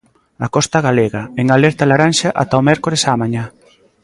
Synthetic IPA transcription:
akɔst̪ɐɣaleɣɐeŋalɛɾt̪alaɾanʃaʔa̰t̪aomɛɾkoɾesamaɲa

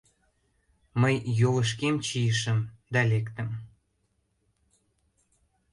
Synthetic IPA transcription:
məjːovəʃ̬kemt͡ɕijəʃəmd̪ɑlekt̪ə̆m

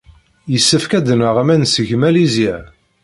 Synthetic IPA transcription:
jəsːəfkæd̪nəʁæmænsəʝmælizjæ

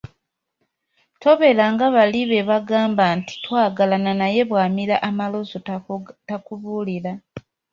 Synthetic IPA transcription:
to̞βe̞laŋɡaβaliβe̞βaɡaːmbaːnti̥twaːɡalananaje̞βwaːmiɾaʔamalo̞zotakuβuːliɾa

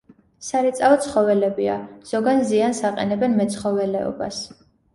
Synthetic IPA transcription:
saɾit̪sʼaɔt̪sʰχɔvɛlɛbia̰z̥ɔɡanziansaqʼɛ̰nɛbɛnmɛt̪sʰχɔvɛlɛɔ̰ba̰s

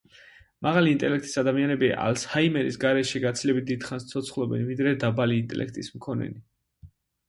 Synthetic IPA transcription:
maʁaliːnt̪ʼɛlɛk̚ʰt̪ʼi̥sad̪amianɛbiaʔa̰lshaimɛɾisɡaɾɛʃiɡat̪sʰilɛbit̪̚d̪id̪̥χanst̪sʰɔt̪sʰχlˠɔbɛ̰nvid̪ɾɛd̪abaliːnt̪ʼɛ̰lʔɛ̰kʰt̪ʼismkʰɔnɛ̰ni

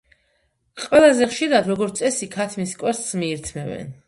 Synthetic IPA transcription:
qʼwɛlˠazɛχʃiɾad̪ɾɔɡɔɾt̪sʼɛsikʰat̪ʰmiskʼwɛɾst̪smiːɾt̪ʰmɛvɛ̰n

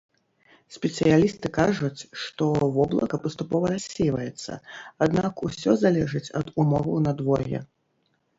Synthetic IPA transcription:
sʲpʲɛt̪sɨjalʲist̪ɨkaʐut͡sʲʂt̪ɔvɔblˠɐkɐpɐst̪upɔvɐɾasʲːejvɐjɛt̪sːɐ̰ad̪nakusʲɔzalʲɛʐɨt͡sʲɐ̰d̪umɔvɐ̰wnɐd̪vɔɣʲɛ̰

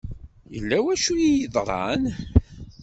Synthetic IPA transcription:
jə̰lːæwæʃujijəðˤɾˤɑ̰n

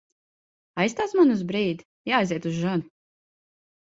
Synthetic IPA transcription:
ajst̪aːsmanuzbɾiːd̪ | jaːjziɛt̪uzʒɔn

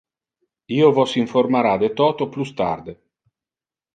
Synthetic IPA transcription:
iːovɔsiɱformaɾad̪et̪ɔːt̪oplust̪a̰rd̪e

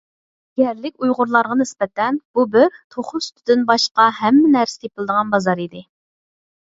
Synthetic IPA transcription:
ɛɾlɪkʲujʁʊɾlˠɑɾʁɑnɪsbɛt̪ʰɛnb̥ubɪɾt̪ʰoχʊst̪ʰyd̪ɪnbɑʃqɑhɛmːɪnæɾsɪt̪jepɪlˠd̪əʁɑnbɑzɑɾid̪ɪ

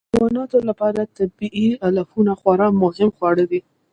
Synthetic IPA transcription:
wɑnɑt̪olapɑɾat̪abiʔialafunaxwaɾɑmʊhɪmxwɑɽəwi

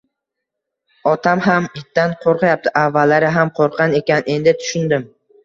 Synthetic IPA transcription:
ɒt̪ʰamɦamɪt̪ːanqʰoɾqʰɑjap̚t̪ʰɪʔavːalːaɾɪɦamqʰoɾqʰɑne̞kʲanʔe̞nd̪ɪt̪ʰʊ̥ʃʊnd̪ɪm

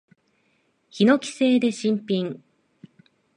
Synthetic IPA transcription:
çino̞kʲi̥se̞ːd̪e̞ɕĩmpʲĩŋ

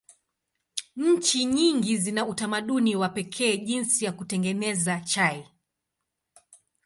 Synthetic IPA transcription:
ɲ̩t͡ʃiɲiŋɡizinautamaɗuniwapɛkʰɛːʄinsijakutɛŋɡɛnɛzat͡ʃai

